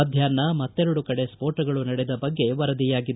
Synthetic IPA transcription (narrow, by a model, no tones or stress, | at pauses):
ɐd̪ʱjaːnːɐmɐt̪ːɛɾɐɽukɐɽe̞spoːɾʈɐɡɐɭunɐɽed̪ɐbɐɡːe̞ʋɐɾɐd̪ijaːɡid̪